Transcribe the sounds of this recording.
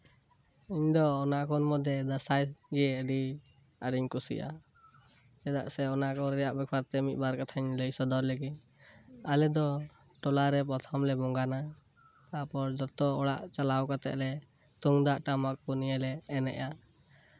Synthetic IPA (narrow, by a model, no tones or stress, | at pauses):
iɲd̪ɔːnakʰɔnmɔd̪jɛd̪asajɡɛɛːɖi | aɖiɲkɔsḭʔa̰ | ɛd̪a̰ʔsɛɔnakɔɾɛjaʔbɛkʰbaɾt̪ɛmit̪̚baɾkat̪ʰaɲləjsɔd̪ɔɾləɡiɲ | alɛd̪ɔ | ʈɔlaɾɛp̬ɔt̪ʰɔmlɛbɔŋɡana | apɔɾd͡ʒɔt̪ɔɔɽa̰ʔt͡ʃalawkat̪ɛ̰ʔlɛ | t̪uŋd̪aʔʈamakkɔniɛlɛːnɛ̰ʔa